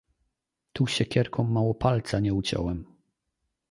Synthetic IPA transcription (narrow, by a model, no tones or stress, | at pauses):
t̪uɕɛkʲɛɾkʰɔ̃mːawɔpalt̪saɲɛut͡ɕɔ̰wɛm